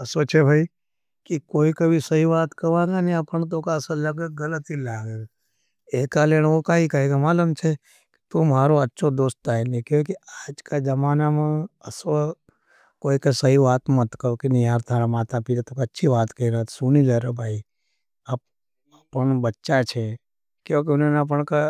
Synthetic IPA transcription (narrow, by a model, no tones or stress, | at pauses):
ɐsot͡ʃʰebʱaːi | kikoːikɐbʱisɐɦiʋaːt̪kɐʋãːɡanĩɐpəñt̪̬oːkaɐsəlɐɡeɡɐlət̪ilaːɡeːɡa | eːkaleːɽ̃okaɦikaɦeɡamaːlumt͡ʃʰe | ki̥t̪umɦaːɾoɐtːʃʰod̪oːst̪aːenikjõːk̬iaːd͡ʒkad͡ʒəmaːnamãəso | koːikesəɦiʋaːt̪mət̪kəɾokenɪɦaːɾt̪aɾamaːt̪ʰapid͡ʒ̪at̪okətːʃʰiʋaːt̪kəiɾəɦt̪ʰsunileɾobʱaːi | aːp̚ | apəɳbətːʃat͡ʃʰe | kjõːkeunenap̬əɳka